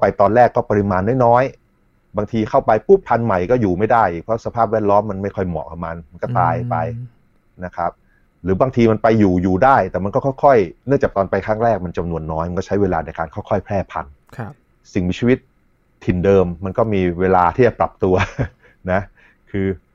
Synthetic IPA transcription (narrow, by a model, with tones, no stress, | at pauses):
pa˧jt̪ɔː˧nɾɛː˥˩kːɔː˥˩pa˧ɾi˧maː˧nːɔː˦˥jnɔː˦˥j | baː˧ŋt̪ʰiː˧kʰa˥˩wpa˧jpuː˥˩pʰa˧nma˨˩jkɔː˥˩juː˨˩ma˥˩jdaː˥˩jʔiː˨˩pʰɾɔ˦˥sa˧pʰaː˥˩p̚wɛː˥˩t̪̚lɔː˦˥mːa˧nma˥˩jkʰɔ˥˩jmɔ̰˨˩ʔkʰma˧nma˧nkɔː˥˩t̪aː˧jpa˧j | na˦˥kʰa˦˥p̚ | ɾɯː˩˦˥baː˧ŋt̪ʰiː˧ma˧npa˧jːuː˨˩juː˨˩daː˥˩jt̪ɛː˨˩ma˧nkɔː˥˩kʰːjkʰɔ˥˩jnɯ˥˩ŋt͡ɕaː˨˩k̚t̪ɔː˧npa˧jkʰɾaː˥˩ŋɾɛː˥˩k̚ma˧nt͡ɕa˧mnu˧ənːɔː˦˥jma˧nkɔː˥˩a˦˥jweː˧laː˧na˧jka̰ː˧nkʰaː˥˩wkʰɔ˥˩jpʰɾɛː˥˩pʰa̰˧nʰ | si˨˩ŋmiː˧t͡ɕʰiː˦˧wi˦˥t̪̚ʰː | i˨˩ndɤː˧mːa˧nkɔː˥˩miː˧weː˧laː˧t̪ʰiː˥˩t͡ɕa˨˩pɾa˨˩p̚t̪u˧ɐ | na˦˥ʔ | kʰɯː˧